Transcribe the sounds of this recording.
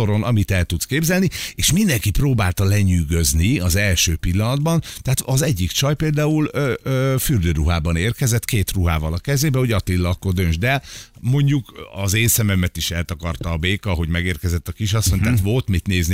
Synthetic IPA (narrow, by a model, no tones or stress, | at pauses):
oɾo̞nʔɒmit̪ɛlt̪ut̪skeːbzɛlnieːʃmind̪ɛŋkiproːbaːlt̪ɒlɛɲyːɡøzniɒzɛlʃøːpilːɒnɒd̪bɒnt̪ɛɦat̪ɒzɛɟːikt͡ʃɒjpeːld̪aːuløøːfyrd̪øːɾuɦaːbɒneːrkɛzɛt̪keːt̪ruɦaːvɒlɒkɛzeːbɛho̞ɟɒt̪ilːɒkːo̞rd̪ønd͡ʒd̪ɛmo̞ɲɟukɒzeːnsɛmɛmɛt̪iʃɛlt̪ɒkɒrt̪ɒːbeːkɒɦo̞ɟmɛɡeːrkɛzɛt̪ːɒkiʃ̬ɒsːoɲt̪aːt̪vo̞lt̪mit̪neːzn